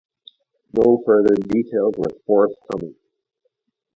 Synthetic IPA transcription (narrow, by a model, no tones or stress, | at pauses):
noʊfɜ˞ðə˞ditʰeɪlˠzwə̥˞fɔɹθkʰʌmɪ̃ŋ